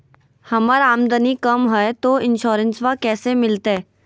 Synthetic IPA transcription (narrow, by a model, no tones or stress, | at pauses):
hɐməɾaːmd̪ənikəmɦɛet̪oɪnʃoːɾənsʋakɛːsemɪlt̪ɛː